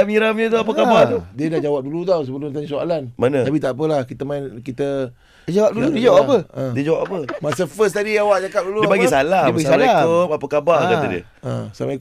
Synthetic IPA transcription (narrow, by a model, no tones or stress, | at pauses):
amiɾamɲət̪̬uapəkabaht̪udiədahd͡ʒawap̚dulut̪̬aws̬əpəlunt̪aɲasoa̰lanmanəapit̪aʔp̬əlahkit̪əmaɪnkit̪ə | d͡ʒawap̚duludiəd͡ʒawaʔapəə̃diəd͡ʒawap̚apəmasəfəs̬t̪adiawaʔd͡ʒakap̚duluəabaɡisaladiəaɡissaaaopapəkabah̪aadiə̰ | ə̰̃sa̰mai